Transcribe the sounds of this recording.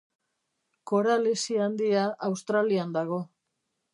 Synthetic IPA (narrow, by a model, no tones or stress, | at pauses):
ko̞ɾalesiand̪iaʔawst̪ɾaliand̪aɣ̞o̞